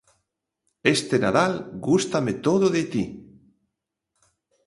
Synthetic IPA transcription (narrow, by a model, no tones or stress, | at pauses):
est̪ena̰ðalɡust̪amet̪oðoðet̪i